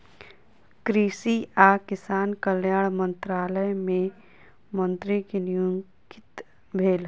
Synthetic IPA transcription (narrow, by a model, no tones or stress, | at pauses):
kɾiːsiakɪsaːnkəljaːɽmə̃nt̪ɾaːləjmẽ | mə̃nt̪ɾikenijũŋkɪt̪ | bʱeːl